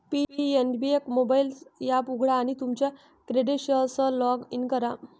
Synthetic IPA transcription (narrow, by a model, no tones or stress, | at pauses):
pipienbiekmobailjapuɡʱɽaːɽ̃it̪umt͡ɕja | kɾeɖiʈɕəlsəlɔɡinkəɾa